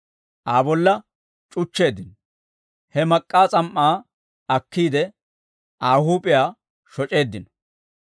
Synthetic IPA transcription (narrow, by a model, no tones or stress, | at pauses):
ʔaːbɔlːɐ | t͡ʃʼʊt͡ʃːe̞ːd̪ːɪnɔ | hɛmɐkʼːaːt͡sʼɐmʔːaː | ɐkːiːd̪ɛ | ʔaːhuːpʼɪjaː | ʃɔt͡ʃʼe̞ːd̪ːɪnɔ̥